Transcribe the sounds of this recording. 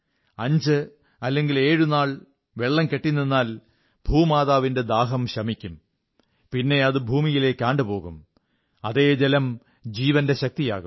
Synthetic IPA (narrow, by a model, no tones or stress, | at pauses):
ɐɲd͡ʑɨ | ɐlːe̞ŋɡile̞ːɻunaːɭ | ʋeɭːɐmke̞ʈːinːinːaːl | bʱuːmaːðaːʋinde̞d̪aːɦɐmɕɐmikʲːum | pinːe̞ɐðɨbʱuːmijile̞ːkːaːɳɖɨpo̞ːɣum | ɐðe̞ːd͡ʑelɐm | d͡ʑiːʋɐnde̞ɕɐk̚t̪ijaːɣum